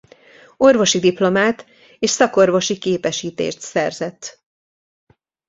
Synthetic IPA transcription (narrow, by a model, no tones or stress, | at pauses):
o̞rvo̞ʃid̪iplo̞maːt̪ | eːʃsɒko̞rvo̞ʃikeːpɛʃiːt̪ḛːʃt̪sɛrzɛt̪ː